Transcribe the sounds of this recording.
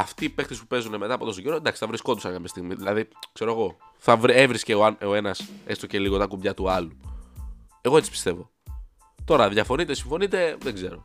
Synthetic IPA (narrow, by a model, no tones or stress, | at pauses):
ɐft̪iːpe̞xt̪ispupe̞zunemet̪ɐːpo̞t̪o̞s̬oɟeɾoend̪ɐksi̥θɐvɾisko̞nd̪usɐnkɐmest̪iɣmiðilɐðikse̞ɾoɣo̞ | θɐvɾievɾisceoɐnoe̞nɐse̞st̪oce̞liɣot̪ɐkubʝɐt̪uɐlu | e̞ɣoe̞tt͡si̥spi̥st̪e̞vo̞ | t̪o̞ɾɐðʝɐfo̞nit̪e̞siɱfo̞nit̪e̞ðe̞ɡze̞ɾo̞